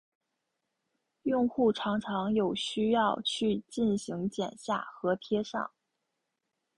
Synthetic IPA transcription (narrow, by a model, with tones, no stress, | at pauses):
jʊ˥˧ŋxu˥˩ʈ͡ʂʰɑ˧˥ŋʈ͡ʂʰɑ˧˥ŋjo˨˩ʊɕy˥jɑ˥˧ʊt͡ɕʰy˥˧t͡ɕi˥˩nɕi˧˥ŋt͡ɕjɛ̰˨˩nɕja̰˥˩xɤ˧˥t̪ʰjɛ˥ʂɑ̰˥˩ŋ